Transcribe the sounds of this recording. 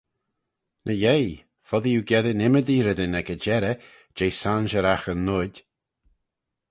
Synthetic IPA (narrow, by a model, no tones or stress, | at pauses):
nʔəjej | fɔðijuɡɛðənɪməd̪iːɾəd̪ənɛɡəd͡ʒɛɾə | d͡ʒejsanʒəɾaxənːʊdʲ